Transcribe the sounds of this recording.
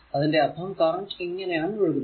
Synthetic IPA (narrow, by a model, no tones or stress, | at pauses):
ɐðinde̞ɐbʰʱɐɐmkaːɳʈiŋːɐnɐjaːɳɯʋeɻukun